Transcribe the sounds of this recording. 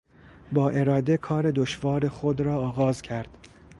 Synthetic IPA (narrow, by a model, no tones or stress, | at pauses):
bɒːʔe̞ɾɒːd̪ekʰɒːɾe̞d̪oʃvɒːɾe̞xod̪ɾɒːɣɒːzcʰæɾd̪̥